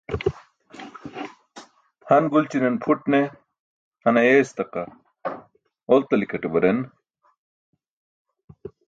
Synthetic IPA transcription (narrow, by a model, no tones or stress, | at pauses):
hɐnɡult͡ɕinenpʰuʈne | hɐnɐjest̪ɐqɐ | olt̪ɐlikʰɐʈebɐɾen